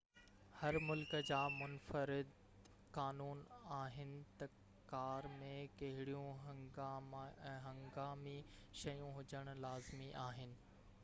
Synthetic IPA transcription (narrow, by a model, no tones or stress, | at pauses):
hɐɾmʊlkəd͡ʑaːmʊnfəɾɪd̪ | kaːnuːnaːɦɪnɪ̆t̪ɐ | kaːɾmẽkɐɦɪɽijũ | ɦɐ̃ŋɡaːmiʃɐjũɦʊd͡ʑəɽ̃̆laːzmiʔaːɦɪnɪ̆